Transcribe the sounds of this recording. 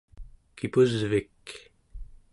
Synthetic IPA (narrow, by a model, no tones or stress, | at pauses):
kipuzvik